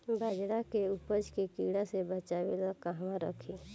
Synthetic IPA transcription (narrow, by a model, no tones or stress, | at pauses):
bəd͡ʒɽakeupəd͡ʒkekiːɽasebət͡ʃaːwelakaɦʋãɾə̰kʰeː